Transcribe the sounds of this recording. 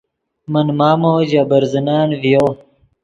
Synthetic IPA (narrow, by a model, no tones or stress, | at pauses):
mənmaːmoːd͡ʑabəɾzənaːnvijoː